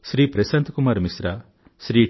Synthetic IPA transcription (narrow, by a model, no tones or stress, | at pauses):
sɾiːpɾesɐnt̪kumaːɾmisɾa | sɾiː